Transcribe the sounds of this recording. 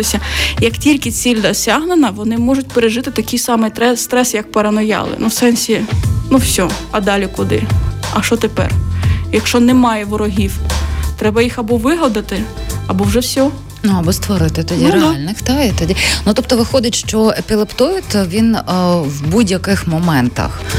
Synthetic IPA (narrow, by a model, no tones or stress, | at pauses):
ɪsʲɐjɐktʲilʲkɪt͡sʲilʲd̪ɔsʲaɦnenɐʋɔnɪmɔʒʊt̚ʲpeɾeʒɪt̪ɪt̪ɐkʲijsɑmɪj̪ɛst̪ɾɛsjɐk̚peɾɐnɔjɑ̰lˠɪ̰nuwsɛnsʲinuwsʲɔɐd̪ɑlʲikʊd̪ɪ̰ɐʃt͡ʃɔt̪epɛ̰rjɐkʃt͡ʃɔnɛmɑjɛʋɔɾɔɦʲiwt̪ɾɛbɐjixɐbɔʋɪɦɐd̪ɐt̪ɪ | ɐbɔwʐɛwsʲɔ | nuɐbɔst̪ʋɔɾɪt̪ɪt̪ɔdʲiɾelʲnɪxt̪ɑit̪ɔdʲinut̪ɔp̚t̪ɔʋɪxɔd̪ʲɐtʲʃt͡ʃɔepʲilˠept̪ujɪt̪ʋʲinwbudʲjɐkɪxmɔmɛnt̪ɐ̰x